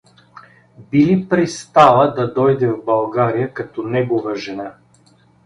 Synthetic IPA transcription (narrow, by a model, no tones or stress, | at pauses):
bilipɾɛst̪alˠəd̪ɐd̪ɔjd̪ɛvbɐlˠɡaɾijəkɐt̪ɔnɛɡovəʒɛna